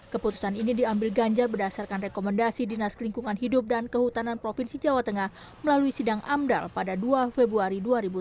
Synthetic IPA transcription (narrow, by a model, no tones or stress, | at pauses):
kəput̪u̥saninidiambɪlɡaɲd͡ʒarbədasarkanrekomandasidinaskəliŋkuŋanɦidʊp̚dankəhut̪ananpɾofinsid͡ʒawat̪əŋah | məlaluisidaŋʔamda̰lpadaduafebɾuaɾiduaɾibu